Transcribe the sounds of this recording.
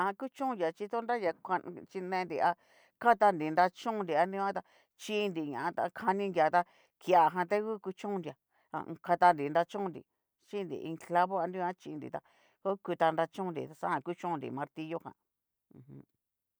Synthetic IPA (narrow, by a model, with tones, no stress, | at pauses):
a˧ã˧ku˦t͡ʃũ˦˧dja˨t͡ʃi˧t̪o˦nda˦ja˧ka˧t͡ʃi˧nẽ˧nd̪i˨˧a˧ | ka˦t̪a˧nd̪i˨nd̪a˧t͡ʃũ˦˧nd̪i˨a˧ndĩ˦˧ã˦t̪a˧ | t͡ʃi˧nd̪i˨ɲã̰˨ã˧t̪a̰˧kʰa˧nĩ˧ndja˨t̪a˧ | ki˧a˨ɦã˧t̪e˦ku˦ku˧t͡ʃũ˦˧nd̪ja˨ | a̰˧ka˧t̪a˧nd̪i˨nd̪a˧t͡ʃũ˦˧nd̪ḭ˨ | t͡ʃi˦˧nd̪ḭ˨ʔḭ˧kla˦βo˦a˧ndĩ˧˦ã˦t͡ʃi˧nd̪ḭ˨t̪a˧ | ko˦ku˧t̪a˧nd̪a˧t͡ʃũ˦nd̪ḭ˨t̪a˧sã˦ã˧ku˦t͡ʃũ˦˧nd̪ḭ˨mã˧ɾt̪i˧jo˦hã̰˧˨ | ũ˧hũ˧˦